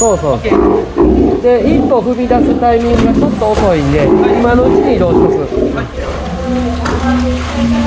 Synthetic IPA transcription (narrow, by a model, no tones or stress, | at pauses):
soːso̞ː | d̪e̞ĩpːo̞ɸɯ̟mʲid̪asɨt̪aimʲĩŋɡɯɡat͡ɕo̞t̪ːo̞ːso̞ĩnd̪e̞imano̞ɯt͡ɕiɲ̟iɾo̞ːɕsɨ